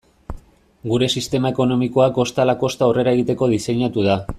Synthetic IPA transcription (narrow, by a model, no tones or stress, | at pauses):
ɡuɾe̞sist̪e̞mae̞ko̞no̞miko̞ako̞st̪alako̞st̪aore̞ɾaeɣit̪e̞ko̞ðise̞ɲat̪uða